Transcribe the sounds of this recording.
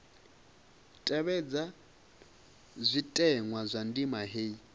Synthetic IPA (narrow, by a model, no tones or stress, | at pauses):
tʼɛβɛd͡za | zʷitʼɛŋwazʷandimaɦei